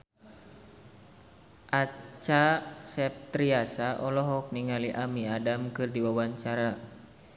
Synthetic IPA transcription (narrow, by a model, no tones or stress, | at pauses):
ʔat͡ʃasɛp̚t̪ɾiasaʔɔlɔɦɔk̚niŋaliʔamiadamkɨrdiwawaɲt͡ʃaɾa